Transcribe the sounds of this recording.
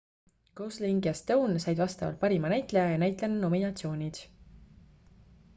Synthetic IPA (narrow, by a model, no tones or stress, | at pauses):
kowsliŋɡjɑst̪ɤwnsɑjd̪vɑst̪ɑvɑ̰lt̪̚pɑɾimɑnæjt̪ˑlejɑjɑnæjt̪lenuno̞minɑt̪sio̞ːnʲid̪̥